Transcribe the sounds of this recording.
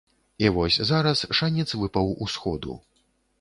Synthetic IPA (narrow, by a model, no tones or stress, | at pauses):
ivɔsʲzaɾɐsʂanʲɛt̪svɨpɐwusxɔd̪ṵ